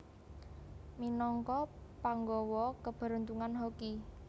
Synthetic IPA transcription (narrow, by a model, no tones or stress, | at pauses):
minɔŋkɔpaŋɡɔwɔkəb̥ə̤ɾunt̪uŋanɦoki